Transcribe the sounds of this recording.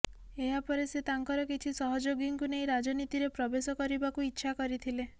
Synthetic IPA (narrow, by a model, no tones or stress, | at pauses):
eɦapɔɾeset̪aŋkɔɾɔkit͡ʃʰisɔɦɔd͡ʒoɡjɔŋkuneĩɾad͡ʒɔnit̪iɾepɾɔbesɔkɔɾibakuitːʃʰakɔɾit̪ʰile